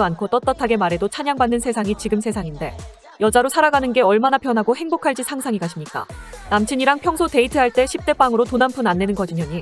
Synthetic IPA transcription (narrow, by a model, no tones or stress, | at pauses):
ankʰot͈ʌt͈ʌtʰaɡe̞maɾe̞dot͡ɕʰaɲaŋbanːɯnsʰe̞sʰaŋit͡ɕiɡɯmsʰe̞sʰaŋinde̞ | jʌd͡ʑaɾosʰaɾaɡanɯnɡe̞ʌɭmanapjʌnɦaɡohe̞ŋbokʰaɭd͡ʑisʰaŋsʰaŋiɡaɕʰimɲik͈a̰namt͡ɕʰɯɲiɾaŋpʰjʌŋsʰote̞itʰɯɦaɭt͈e̞ɕʰip̚t͈e̞p͈aŋɯɾotonampʰunanːe̞nɯnɡʌd͡ʑiɲʌɲi